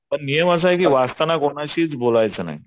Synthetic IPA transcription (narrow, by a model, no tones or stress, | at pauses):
pəɳnijəməs̬aɦekiːʋast̪anakoɳ̃aɕiːt͡sbolajt͡səna̰ɦi